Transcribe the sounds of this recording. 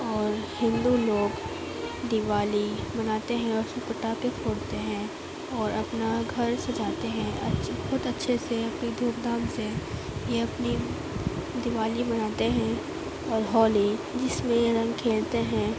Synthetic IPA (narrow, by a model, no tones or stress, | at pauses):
ɔːɾhɪ̃nd̪uloːɡ | d̪ɪʋaːlibɐnaːt̪eɦɛ̃ɔːɾsʊpəʈapekʰoːɽt̪eɦɛ̃ː | ɔːɾɐpnaɡʱɐɾsɐ̃d͡ʒʱaːt̪eɦɛ̃ɐ̰xʊt̪ɐtːʃʰeseɐpnid̪ʱuːk̚d̪ʱaːmse | jeɐpni | d̪ɪʋaːlibɐnaːt̪eɦɛ̃ | ɔːɾɦɔːlid͡ʒɪsmẽɾɐ̃ŋɡkʰeːlt̪eɦɛ̃ː